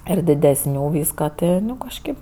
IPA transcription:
ɪr dʲɪdʲɛsʲˈnʲuː ˈʋʲiːskɐ ˈtʲɪ nʊ kɐʃʲˈkʲeːp

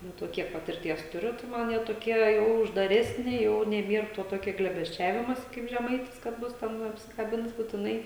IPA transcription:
ˈnʊ toː ˈkʲiɛk pɐtʲɪrʲˈtʲiɛs tʊˈrʲʊ tɐɪ ˈmɐn ˈjiɛ toːˈkʲiɛ jɛʊ ʊʒdɐˈrʲæːsʲnʲɪ ˈjɛʊ nʲɛˈbʲiɛr toː ˈtoːkʲɛ ɡlʲeːbʲɛsʲˈt͡ʃʲæːʋʲɪmoːsʲɪ kɐɪp ʒʲɛˈmɐɪtʲɪs kɐt ˈbʊs tʲɛn ɐpʲsʲɪkɐˈbʲɪns bʊtʲɪˈnɐɪ

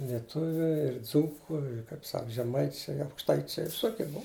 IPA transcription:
lʲiɛˈtʊʋʲʊ ɪr ˈd͡zuːkʊ ɪr kɐɪp ˈsɐk ʒʲɛˈmɐɪt͡ʃʲɛɪ ɐʊkʃˈtɐɪt͡ʃʲɛɪ ʋʲɪˈsoːkʲiɛ ˈbʊɐ

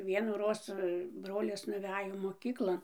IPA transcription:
ʋʲiɛnuːˈroːs ˈbroːlʲɪs nʊˈʋʲæːjoː moːˈkʲiːklˠoːn

